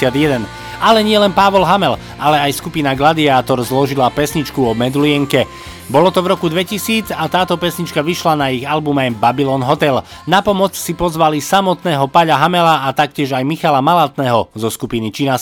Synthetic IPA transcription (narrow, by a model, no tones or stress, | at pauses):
ɪad̪jɛd̪ɛn | alɛɲɪɛlɛnpaʋɔlɦamɛl | alɛajskupinaɡlad̪iaːt̪ɔɾzlɔʒilapɛsɲit͡ʃkuɔmɛd̪uliɛŋkɛ | bɔlɔt̪ɔvɾɔkud̪ʋɛcisiːd͡zat̪aːt̪ɔpɛsɲit͡ʃkaʋiʃlanaiɣalbumajbabilɔːnɦɔt̪ɛlnapɔmɔt͡ssipɔzʋalisamɔt̪nɛːɦɔpaʎaɦamɛlaːt̪akcɪɛʒajmixalamalat̪nɛːɦɔzɔskupinit͡ʃina